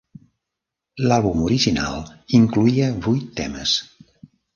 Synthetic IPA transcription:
lalˠβumuɾiʒina̰lˠiŋkluiəβujt̪ːɛ̰mə̰s

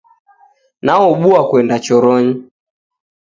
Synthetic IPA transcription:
naɔɓuakwɛndat͡ʃɔɾɔɲi

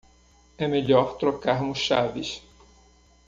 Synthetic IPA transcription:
ɛmeʎɔɾt̪ɾokaɾmʊsʃavɪs

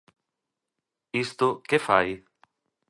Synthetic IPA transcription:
ist̪okefaj

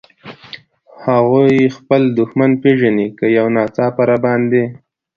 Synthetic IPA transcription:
haɣojxpəld̪ʊxmanpeʒanikəjawnɑt͡sɑpaɾabɑnd̪e

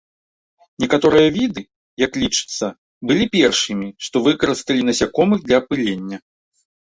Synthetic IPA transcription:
nʲɛkat̪ɔɾɨjɐvʲid̪ɨ | jɐklʲit͡ʂɨ̥t̪sːɐ | bɨlʲipʲɛrʂɨmʲiʂt̪ɔvɨkɐɾɨst̪ɐlʲinɐsʲakɔmɨɣd̪lʲɐːpɨlʲenʲːɐ

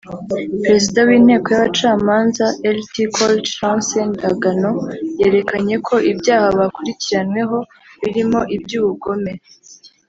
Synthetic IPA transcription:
pɾe̞zidawiːnhe̞ːko̞jaβat͡ʃaːmaːnzaʔeltikʰoltɾasendaɡano̞je̞ːɾe̞kaɲe̞kʰo̞ʔibɟaːhaβakuɾiciɾanwe̞ɦo̞ | βiɾimo̞ʔibɟuːβuɡo̞me̞

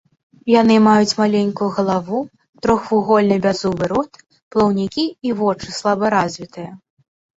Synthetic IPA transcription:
janɨmajut͡sʲmalʲenʲkujuɣɐlˠavu | t̪ɾɔxfuɣɔlʲnɨbʲazuvɨɾɔt̪ | plˠɐwnʲikʲiːvɔt͡ʂɨslˠabɐɾazʲvʲit̪ɨjɐ

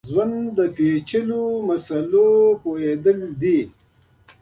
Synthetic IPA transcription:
zwand̪əpet͡ʃəlomɐsalopoed̪əld̪i

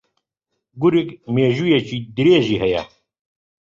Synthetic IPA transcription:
ɡuɾikmeːʑujet͡ɕid̪iɾeːʑiɦɐjɐ̰

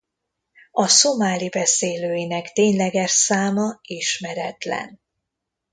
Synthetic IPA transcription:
ɒso̞maːlibɛseːløːjinɛkt̪eːɲlɛɡɛʃsaːmɒiʃmɛɾɛt̪lɛ̰n

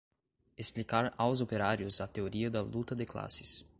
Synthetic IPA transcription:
esplikaɾawzopeɾaɾjʊzɐt̪eoɾiɐd̪ɐlut̪ɐd̪ɪkla̰sɪ̥s

